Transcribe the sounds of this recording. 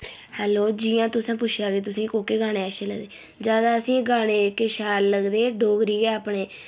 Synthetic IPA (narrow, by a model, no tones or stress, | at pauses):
hɛːloːd͡ʒiːjãːt̪ʊsãːpʊt͡ʃʰjaːɡeːt̪ʊsĩːkoːkeːɡaːɽ̃eːɛʃelə̰ɡd̪eː | d͡ʒjaːd̪aːəsĩːɡaːɽ̃eːkeːʃɛːlləɡd̪eːɖoːɡɾiːɡɛːaːpɳeː